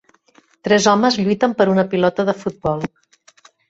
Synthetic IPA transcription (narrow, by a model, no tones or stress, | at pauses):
t̪ɾɛzɔməzʎujt̪əmpəɾunəpilɔt̪əðəfut̪̚bɔlˠ